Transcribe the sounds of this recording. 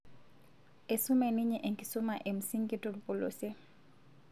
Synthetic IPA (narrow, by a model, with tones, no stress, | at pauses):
e˨sʊ˦mɛ˦nɪ˦ɲɛ˨ʔe˨ŋki˨sʊ˦ma˨ʔe˨m̩˨si˦ŋki˦to˦lupo˨lo̰˨se˦